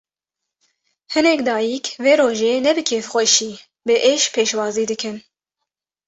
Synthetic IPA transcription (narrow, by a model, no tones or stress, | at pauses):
hɨnɛkd̪ɑːjikʰveːɾoːʒeːnɛbɨkʰeːfxʷɛʃiː | bɨʔeːʃpʰeːʃwɑːziːd̪ɨkʰɨn